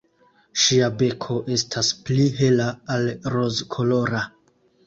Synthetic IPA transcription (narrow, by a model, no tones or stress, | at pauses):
ʃiabe̞kʰo̞ʔe̞stʰaspliɦe̞laːlɾo̞zkʰolo̞ɾa